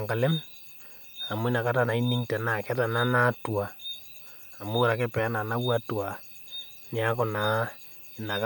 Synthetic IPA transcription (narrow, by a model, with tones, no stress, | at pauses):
ŋka˨le˦m | a˨mo˦i˦na˨ka˦ta˦na˨i˦ni˦ŋta˨na˨kɛ˦ta˨na˦na˦twaː˨ | mo˦ɾa˨ke˦pɛ˨a˦na˨na˦wa˦twa˨ | nja˦kɔ˨na˦ | ina˨k